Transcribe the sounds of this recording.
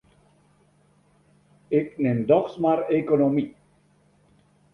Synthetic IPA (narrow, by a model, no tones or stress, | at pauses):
ɪknɛmd̪ɔχsmaɾekonomi